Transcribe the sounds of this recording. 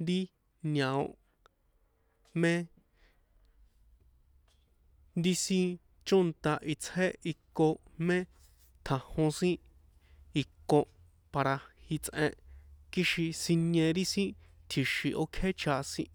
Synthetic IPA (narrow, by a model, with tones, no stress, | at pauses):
nd̪i˦ | nã˨õ̰˧˨ʔ | mẽ˦ | nd̪i˦sĩ˦ | t͡ʃo˦nt̪a˧ʔi˧t͡she˦i˧kːo˧mẽ˦ | t̪ʰã˧hõ˧sĩ˦ | i˧kːõ˧ | pa˧ɾa˧hi˧t͡sʔẽ˧ʔki˦ʃi˧sĩ˧ɲẽ˧ɾi˦sĩ˦t̪ʰi˨ʃi˨ʔo˦kʰe˦t͡ʃʰa˧sĩ˦